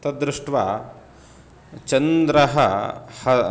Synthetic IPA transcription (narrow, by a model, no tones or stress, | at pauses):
t̪ɐd̪ɾiʂʈʋa̰ | t͡ʃɐnd̪ɾɐɦɐhɐ